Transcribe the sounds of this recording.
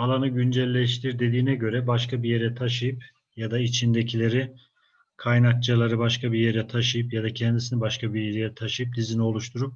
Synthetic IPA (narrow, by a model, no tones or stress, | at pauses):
alˠanɯɟynd͡ʒɛlʲːɛʃ̬t̪ʰiɾd̪e̞d̪iːnɛɟø̞ɾɛbaʃkabije̞ɾɛt̪ʰaʃɯjɯp | jad̪ait͡ʃʰind̪ecʰilʲe̞ɾi | kʰajnak̚t͡ʃʰalˠaɾɯbaʃkʰabije̞ɾɛt̪ʰaʃɯjɯpjad̪acʰɛnd̪isinibaʃkʰabijeɾejɛt̪ʰaʃɯjɯp̚d̪izinio̞lˠuʃt̪ʰuɾup̚